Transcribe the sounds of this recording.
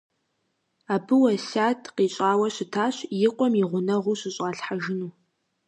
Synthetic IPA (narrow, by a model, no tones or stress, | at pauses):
aːbɨwɐsaːtʰqiːɕʼaːwɐɕɪtʰaːɕjɪqʷʼɔmɪʁʷʊnɐʁʷʊɕɪɕʼaːɬħaʒɪnuː